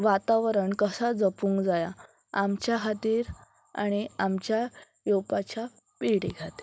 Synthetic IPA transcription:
ʋat̪aʋɾəɳkəsad͡zəpũːŋkd͡zaja | amt͡ɕjaɦat̪iːɾ | a̰ɽ̃iamt͡ɕja | jowpat͡ɕa | piɽeɡʱat̪e̥

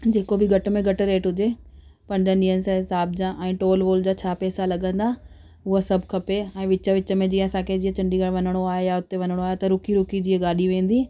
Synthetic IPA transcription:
d͡ʑeːkobɪɡʱɐʈmẽɡʱɐʈɾeːʈɦʊd͡ʑe | pɐɾdə̃nɗiɦənɪsɦɪsaːbd͡ʑãːʔɛ̃ːʈoːlʋoːld͡ʑaːt͡ɕʰaːpɛːsalɐɠə̃nd̪a | ʊɦəsɐbʱkʰɐpeɛ̃ːʋɪt͡ɕə̆ʋɪt͡ɕə̆mẽd͡ʑiːɦə̃ɐsãːkʰed͡ʑiːə̃t͡ɕɐ̃ɳɖiɡɐɽʋɐnəɽ̃oaːɦejaʊt̪eʋɐnəɽ̃oaːɦjet̪ɐɾʊkiɾʊkid͡ʑiːəɡaːɗiʋẽːn̆d̪iː

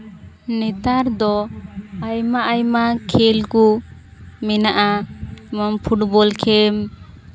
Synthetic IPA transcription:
nɛt̪aɾd̪ɔajmaʔajmakʰelku | mɛnaʔaməmpʰuʈbɔlkʰɛm

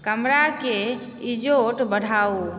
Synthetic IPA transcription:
kəmɾake | id͡ʒoʈbəɽʱau

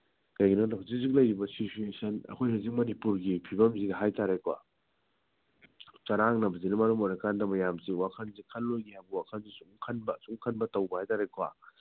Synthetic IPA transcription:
kɐjɡinonɐɦawzik̚zik̚lɐjɾibɐsit͡ʃuesʰɐnɐ̰kʰojɾazik̚mɐnipuɾɡipʰibɐmzidɐɦajtaɾekwa̰ | t͡ʃɐɾaŋnɐbɐzinɐmɐɾumojɾɐkʰandɐmɐjamsiwakʰɐnzikʰɐlːojɡihajbɐwakʰɐnzisuŋkʰɐnbɐsuŋkʰɐnbɐtɐwbɐhajtaɾekwa̰

